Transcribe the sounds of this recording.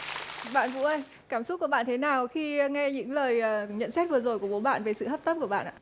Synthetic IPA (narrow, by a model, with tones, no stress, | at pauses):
ɓa̰ː˧˨nvṵ˧˥ʔə˧j | kaː˧˩msʊ˦˥t̚kːɓaː˧˨nt̪ʰe˨˦naː˨˩wxi˧ŋɛ˧ɲɨ̰˧˥ŋləː˨˩jːɲə̰˧˨nsɛ˦˥t̚vɨ˨˩əzo˨˩jku˧˩əɓo˨˦ɓa̰ː˧˨nve˨˩sɨ̰˧˨hə˦˥pt̪ə˦˥p̚ku˧˩əɓa̰ː˧˨nʔa̰ː˧˩